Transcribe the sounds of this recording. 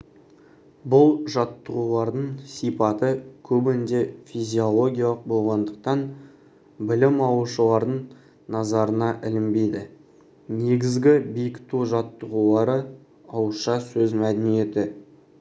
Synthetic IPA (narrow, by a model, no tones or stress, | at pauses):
bʊlˠʒɑt̪ːəʁulˠɑɾd̪əɴsijpɑt̪əkʲʰɵbɪnd̪e̞fijzʲio̞lˠo̞ɡʲijɑlˠəq̚bo̞lˠʁɑnd̪əq̚t̪ɑn | bɪlɪmɑwuʃəlˠɑɾd̪əɴ | nɑzɑɾənɑʔɪlɪmbejd̪ɪ | ne̞ɡʲɪzɡʲɪbijkt̪uʒɑt̪ːəʁulˠɑɾə | ɑwʃɑsɵzmæd̪ɪnije̞t̪ɪ